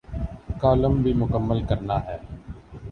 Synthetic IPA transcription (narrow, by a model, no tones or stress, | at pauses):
kaːləmbʱiːmʊkəmːəlkəɾnaːɦɛː